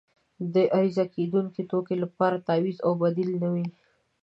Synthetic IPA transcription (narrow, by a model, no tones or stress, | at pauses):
d̪əʔaɾizaked̪uŋket̪okelapɑɾat̪ɑwizawbad̪ilnəwi